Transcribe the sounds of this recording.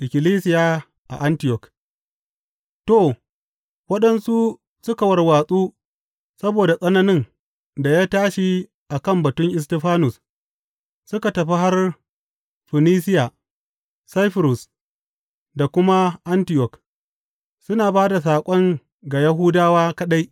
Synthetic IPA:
ʔɪ˨kʲɪ˨liː˦sɪ˦jaː˦ | ʔa̰˨ʔa˦ntɪ˨jɔ˨k | to˦˨ | wɐ˦ɗɐ˦nsu˦ | sʊ˦ka˨wɐ˨rwaː˨sʼuː˦ | sɐ˦boː˨da˨sʼɐ˦nɐ˦nɪ˦n | da˨jaː˦taː˦ʃi˦ | ʔa˨kɐ˦˨mbɐ˨tʊ˦ŋʔɪ˨s̬tɛ˦ɸaː˦nʊ˨s | sʊ˦ka˨tɐ˨ɸi˦ɦa˦r | ɸɪ˨niː˦sɪ˦ja˨ | sa˦jɸɪ˨ɾʊ˨s | da˨kʷʊ˦ma˦ʔa˦ntɪ˨jɔ˨k | sʊ˦naː˨baː˦da˨s̬aː˨kʷʼɔ˦ŋ | ɡa˨ja˦ɦuː˦daː˦waː˦kɐ˦ɗa˦j

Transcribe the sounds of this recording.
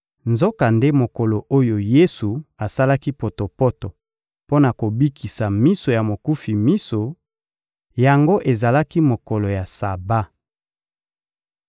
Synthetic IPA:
nzo˦ka˨nde˦mo˨ko˨lo˨ʔo˦jo˨je˦su˨a˨sa˦la˦ki˦po˨to˨pɔ˦tɔ˨ | po˦na˨ko˨bi˦kʰi˨sa˨mi˦so˨ja˨mo˨ku˦fi˨mi˦so˨ | ja˨ŋɡo˦ʔe˨za˨la˦ki˦mo˨kɔ˨lo˨ja˨sa˨ba˦

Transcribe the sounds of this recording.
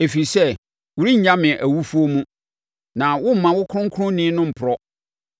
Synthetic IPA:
e˨fi˨sɛ˦ | wʊ˨ɾi˦ɲ̩˨ɲã˦mɪ̃˨ʔæ˨wu˦fu˦o˦mũ˦ | nã˨wʊ˦m̩˨˦mã˨wʊ˦kʰʊ̃˦ŋ̩˦kʰʊ̃˦nĩː˦nʊ̃˦m̩˨pʰʊ˨ɾɔ˦

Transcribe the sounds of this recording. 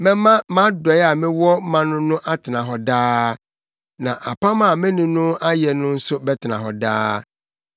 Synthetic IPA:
mɛ̃˦mã˦mã˦dɔ˨ɛ˦a˨mɪ̃˦wɔ˦mã˦nʊ̃˦nʊ̃˦ʔa˦tʰɪ˨nã˨ɦɔ˨daː˦ | nã˨ʔa˨pʰa˦mã˦˨mẽ˦nũ˨nʊ̃˦a˦jɛ˨nʊ̃˦n̩˦sʊ˦bɛ˦tʰɪ˨nã˨ɦɔ˨da̰ː˦

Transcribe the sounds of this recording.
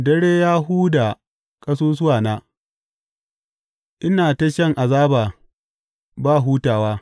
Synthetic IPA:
dɐ˦ɽeː˦jaː˦ɦuː˦da˨ | kʼɐ˦s̬oː˦s̬ʊ˦waː˨naː˦ | ʔɪ˦naː˨ta˦ʃɐ˦˨ŋʔa˨zaː˦baː˨ | baː˦˨ɦuː˦taː˨waː˦

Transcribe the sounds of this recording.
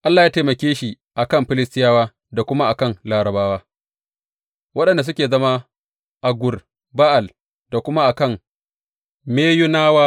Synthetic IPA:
ʔa˦lːaː˨jaː˦teː˨mɐ˨kʲeː˦ʃi˨ | ʔa˨kɐ˦mɸɪ˦lɪ˦stɪ˦jaː˦waː˦ | da˨kʷʊ˦ma˦ʔa˨kɐ˦˨ŋlaː˨ɾɐ˨baː˦waː˦ | wɐ˦ɗɐ˨nda˨s̬ʊ˦kʲeː˨zɐ˦ma˦ | ʔa˨ɡʷʊ˨r | baː˦ʔa˨l | d̥a˨kʷʊ˦ma˦ʔa˨kɐ˦˨m | meː˦jʊ˦naː˦waː˦

